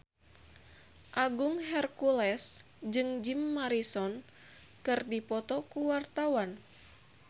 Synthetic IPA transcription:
ʔaɡuŋɦɛrkulɛs | d͡ʒɨŋd͡ʒimːaɾisɔn | kɨrdipɔt̪ɔkuwart̪awan

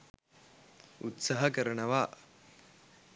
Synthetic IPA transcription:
ut̪sɐɦɐkɐɾɐɳɐʋaː

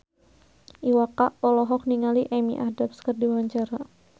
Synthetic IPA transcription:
ʔiwakaʔɔlɔɦɔk̚niŋaliʔɛmḭʔahdapskərdiwaɲt͡ʃaɾa

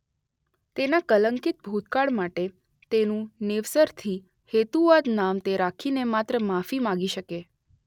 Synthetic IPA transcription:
t̪enakələŋkit̪̚bʱut̪kaɭmaʈe | t̪enũnɪʋsəɾt̪ʰi | het̪uʋad̪namt̪eɾakʰinemat̪ɾəmafimãɡiʃəke

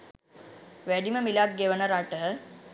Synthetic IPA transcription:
ʋæɖiməmilak̚ɡeʋənəɾaʈəɦə

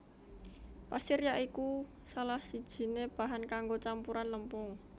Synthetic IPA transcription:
pasiɾijaʔiku | salahsid̥ʒ̥i̤neb̥a̤ɦankaŋɡot͡ʃampuɾanləmpʊŋ

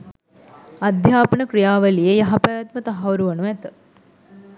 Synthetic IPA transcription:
ɐd̪ʱjaːpənəkɾijaːʋəlijəjɐɦapaːjat̪mət̪aɦaʋuɾuʋɐnuæt̪ə

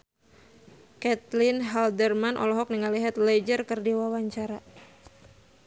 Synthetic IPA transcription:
kɛt̪lɪnɦaldərmanʔɔ̰lɔɦɔk̚niŋaliɦat̪̚lɛd͡ʒərkərdiwawaɲt͡ʃaɾa

